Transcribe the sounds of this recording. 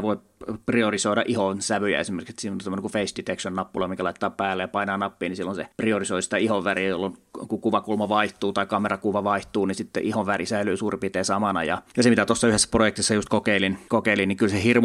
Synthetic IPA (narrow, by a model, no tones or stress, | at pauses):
ʋoi | priorisoiɾɑ̰ʔihonsæʋyjæ̰ḛsimerkse̥t̪sinont̪æmːoneŋkufeist̪it̪ekʃonnɑpːulɑmiŋkælɑˑit̪ːˑɑːpæːlːejɑpɑinɑːnɑpːiːnisilːonsepriorisoisi̥t̪æihoʋʋærijolːonkukuʋɑkulmɑʋɑiht̪uːt̪ɑikɑmerɑkuʋɑʋɑiht̪uːnisit̪ːḛʔihoʋʋærisæylyːsuːripit̪eːsɑmɑnɑ̰jɑ̰jɑsemit̪æt̪osːɑyhesːæ̥projekt̪isːɑjust̪̚kokeilinkokeiliniŋkylsehirmu